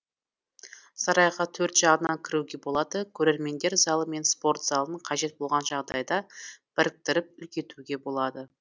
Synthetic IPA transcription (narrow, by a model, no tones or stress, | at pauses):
sɑɾɑjʁɑt̪ʰɵɾt̪ʒ̥ɑʁənɑŋkʲʰɪɾuwɡʲe̞bo̞lˠɑd̪əkʲʰɵɾe̞ɾme̞nd̪e̞ɾzɑlˠəme̞nspo̞ɾt̪z̥ɑlˠəəɴqʰɑʒe̞t̪̚bo̞lˠʁɑnʒɑʁd̪ɑjd̪ɑb̥ɪɾɪk̚t̪ɪɾɪp̚ʏlkʲe̞t̪uɡʲe̞bo̞lˠɑd̪ə